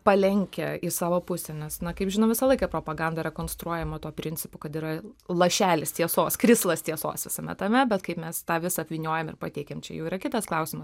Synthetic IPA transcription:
pɐlʲɛŋʲkʲɛɪsɑːʋoːpʊsʲɛnʲɛsnɐkɐɪpʒʲɪnɐʊʋʲɪsɐlˠɐɪkɐpɾoːpɐɡɐnd̪ɐɾʲɛkoːnst̪ɾuɔjɛmɐt̪uːpʲɾʲɪnʲt͡sʲɪ̥pʊkɐt̪iːɾɐlˠɐʃʲæːlʲɪst̪ʲiɛsoːskɾʲɪslˠɐst̪ʲiɛso̰ːsʋʲɪsɐmʲɛ̰t̪ɐmʲɛbʲɛt̪kɐɪpmʲɛst̪ɑːʋʲɪsɐɐpʲʋʲinʲoːjɛmɪ̰rpɐt̪ʲeɪkʲeːmt͡ʃʲɛ̰jɛ̰ʊiːɾɐkʲɪt̪ɐsklˠɐʊsʲɪmɐs

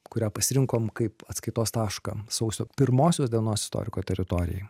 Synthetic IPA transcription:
kʊɾʲæːpɐsʲɪɾʲɪŋkoːmkɐɪpɐt̪skɐɪt̪oːst̪ɑːʃkɑ̰ːsɐʊsʲoːpʲɪɾmoːsʲoːsd̪ʲiɛnoːsɪ̥st̪o̰ːɾʲɪkoːt̪ʲɛɾʲɪt̪oːɾʲɪ̰jɛ̰j

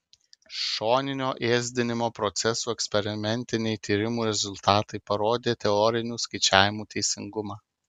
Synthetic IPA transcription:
ʃoːnʲɪnʲoːʔeːzʲd̪ʲɪnʲɪmoːpɾɔt̪sʲɛsuːɛksʲpʲɛɾʲɪmʲɛnʲt̪ʲɪnʲɛɪt̪ʲiːɾʲɪmuːɾʲɛzʊlˠt̪ɑːt̪ɐɪpɐɾoːd̪ʲeːt̪ʲɛɔɾʲɪnʲuːskɐɪt͡ʃʲæːʋʲɪmuːt̪ʲɛɪsʲɪ̰ŋɡʊmɑː

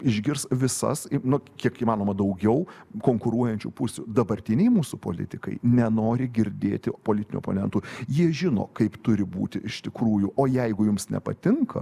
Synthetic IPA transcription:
ɪʒʲɡʲɪɾsʋʲɪsɐ̰sinʊkʲiɛkiːmɑːnoːmɐd̪ɐʊɡʲɛʊkoːŋkʊɾuɔjɛnʲt͡ʃʲṵpʊsʲud̪ɐbɐrʲt̪ʲɪnʲɛɪmuːsʊpo̰ːlʲɪ̰t̪ʲɪkɐ̰ɪnʲɛnoːɾʲɪɡʲɪɾʲd̪ʲeːt̪ʲɪpoːlʲɪt̪ʲɪnʲṵɔ̰ːpo̰ːnʲɛnt̪uːjiɛʒʲɪno̰ːkɐɪpt̪ʊɾʲɪbuːt̪ʲɪʔɪʃt̪ʲɪkɾuːjuːʔoːjɛɪɡʊjʊmsnʲɛ̰pɐ̰t̪ʲɪŋkʰɐ̰

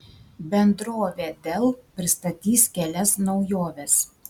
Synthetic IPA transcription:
bʲɛnd̪ɾoːʋʲeːd̪ʲɛlˠpʲɾʲɪst̪ɐt̪ʲiːskʲɛlʲɛsnɒʊjoːʋʲɛs

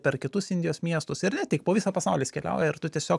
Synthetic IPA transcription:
pʲɛɾkʲɪt̪ʊsɪnʲd̪ʲɪjoːsmʲiɛst̪ʊsɪɾnʲɛtʲɪkpoːʋʲiːsɑpɐsɑʊlʲiːsʲkʲɛlʲɛ̰ʊjɛɪrt̪ʊt̪ʲiɛsʲoː

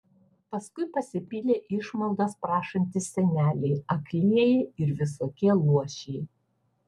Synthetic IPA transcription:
pɐskʊɪpɐsʲɪpʲilʲeːʔɪʃmɐlˠd̪ɑspɾɑːʃɐnʲt̪ʲɪsʲɛnʲæːlʲɛɪɐklʲiɛjɛɪɾʋʲɪsoːkʲiɛlˠuɔʃʲɛɪ

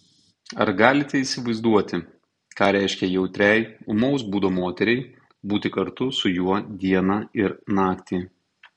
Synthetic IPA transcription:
ɐ̰ɾɡɑːlʲɪt̪ʲɛiːsʲɪʋɐɪzd̪uɔt̪ʲɪ | kɑːɾʲæˑɪʃʲkʲɛjɛʊt̪ʲɾʲɛjʊmɔʊsbuːd̪oːmoːt̪ʲɛɾʲɛɪ | buːt̪ʲɪkɐɾt̪ʊsʊjuɔd̪ʲiɛnɑɪɾnɑːkt̪ʲiː

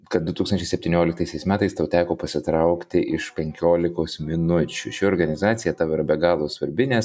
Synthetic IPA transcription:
kɐt̪̚d̪ʊt̪uːksɐnʲt͡ʃʲɛɪsʲɛp̚ʲt̪ʲiːnʲoːlʲɪk̚t̪ɐɪsʲɛɪsmʲæːt̪ɐɪst̪ɐʊt̪ʲæːkoːpɐsʲɪt̪ɾɐʊkt̪ʲɪʔɪʃpʲɛŋʲkʲoːlʲɪkoːsmʲɪnʊt͡ʃʲʊʃʲɪoːɾɡɐnʲɪzɑːt̪sʲɪjɛt̪ɑːʋɐɪɾɐbʲɛɡɑːlˠoːsʋɐɾʲbʲɪnʲeːs

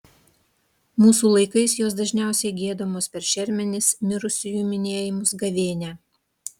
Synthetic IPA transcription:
muːsuːlˠɐɪkɐɪsjoːsd̪ɐʒʲnʲæˑʊsʲɛɪɡʲeːd̪omoːspʲɛɾʃʲɛɾʲmʲɛnʲɪsmʲɪɾʊsʲɪjuːmʲɪnʲeːjɪmʊsɡɐʋʲeːnʲæː

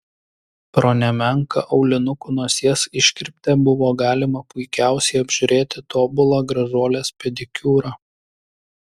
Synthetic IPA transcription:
pɾɔnʲɛmʲɛŋkɐ̰ʔɐʊlʲɪnʊkʊːnuɔsʲeɛsɪʃʲkʲɪɾʲpʲt̪ʲɛbʊʋoːɡɑːlʲɪmɐpʊɪkʲæˑʊsʲɛɪɐbʲʒʲʊɾʲeːt̪ʲɪt̪oːbʊlˠɑːɡɾɐzuɔlʲeːspʲɛd̪ʲɪkʲuːɾɑ

